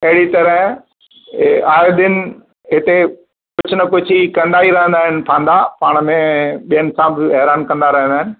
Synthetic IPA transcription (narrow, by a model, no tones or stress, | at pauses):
ɐɦɪɽit̪ɐɾəɦ | aːod̪ɪnɪ | ɦɪt̪e | kʊd͡ʑʱʰʊnɐkʊd͡ʑʱikɐ̃nd̪aːɦiɾɐɦə̃nd̪aːɦɪnɪ̆pʰãːnd̪apaːɽ̃mẽɓijənɪ̆sãbɪɛɦɾaːnkɐ̃nd̪aɾɐɦə̃nd̪aːɪnɪ̆